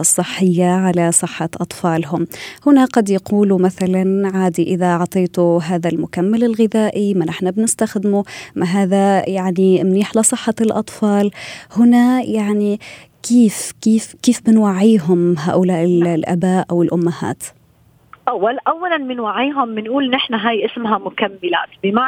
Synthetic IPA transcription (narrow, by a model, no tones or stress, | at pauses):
sˤːɨħːɪjːaʕalasˤɨħːɑʔɑt̪ˤfɑːlɦʊmhʊnaqɑd̪jaquːlumaθalanʕaːd̪iʔɪðaʕt̪ˤeːt̪ʊɦaːðalmʊkamːɪlɪlɣɪðaːʔimanɪħnabnɪst̪axd̪ɪmumaɦaːðajaʕnimniːħlɪsˤɨħːɑlʔɑ̰t̪ˤfɑːlhʊnajaʕni | kiːfkiːfkiːfbɪnwaʕiːɦʊmɦa̰ːʔʊlaːʔɪllʔa̰baːʔʔawɪlʔʊmːaha̰ːt̪ | ʔawːalʔawːalanmɪnwaʕiːɦʊmːɪnʔuːlnɪħnaɦaːjʔɪsmɦamʊkamːɪla̰ːt̪bɪma